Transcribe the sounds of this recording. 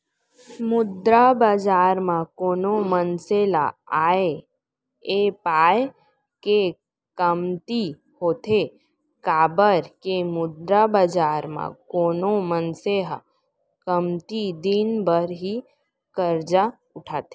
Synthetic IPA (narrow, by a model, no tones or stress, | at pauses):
mʊd̪ɾabaːd͡ʒaːɾmãkoːnomənsela̰aːe | epaːj | ke | kəmt̪i | hoːt̪e | kaːbəɾkemʊd̪ɾabad͡ʒaːɾmã̰koːnomənseɦa̰ | kəmt̪id̪inbəɾɦi | kəɾd͡ʒa | ʊʈʰaːt̪e